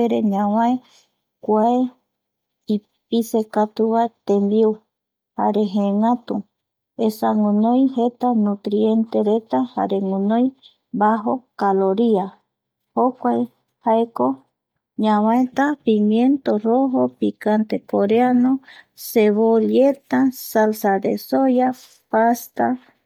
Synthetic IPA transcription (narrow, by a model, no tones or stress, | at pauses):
eɾeɲãw̃ãe | kʷae | i | pisekat̪uβaet̪embiu | haɾeɦẽŋãt̪u | esaŋũnõjhet̪anũt̪ɾie̞nt̪eɾet̪aha̰ɾeŋũnõj | baɦokaloɾia | hokʷae | haeko | ɲãβãet̪apimjent̪oroɦopikant̪ekoɾeanoseβoljet̪asalsad̪esoja | past̪a